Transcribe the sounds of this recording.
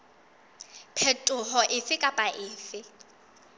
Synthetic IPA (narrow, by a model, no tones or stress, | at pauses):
pʰɛtʼʊɦɔʔɪfɪkʼapʼaʔɪːfɪ